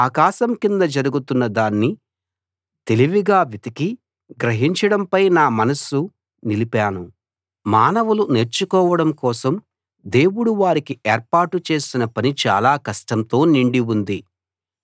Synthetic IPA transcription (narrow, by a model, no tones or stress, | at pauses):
aːkaːʃɐmkind̪ɐd͡ʒɐɾuɡut̪unːɐd̪aːnːi | t̪e̞liʋiɡaːʋit̪iki | ɡɾɐɦiɲt͡ʃɐɽɐmpɐjnaːmɐnɐsu | nilipaːnu | maːnɐʋulune̞ːɾt͡ʃukɔːʋɐɽɐmkɔːsɐm | d̪e̞ːwuɽuʋaːɾikiʔeːɾpaːʈut͡ʃe̞ːsinɐpɐnit͡ʃa̰ːlaːkɐʂʈɐnt̪o̞ːniɳɖiund̪i